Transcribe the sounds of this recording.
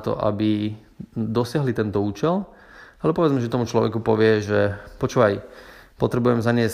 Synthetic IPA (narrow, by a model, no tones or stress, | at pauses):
t̪ɔ̰ʔa̰bi | d̪ɔsɪaɦlit̪ɛnt̪ɔuːt͡ʃɛl | alɛbɔpɔʋɛd͡zmɛʒɛt̪ɔmut͡ʃlɔʋɛ̰kupɔʋɪɛʒɛpɔt͡ʃuːʋajpɔt̪ɾɛbujɛmzaɲɪɛs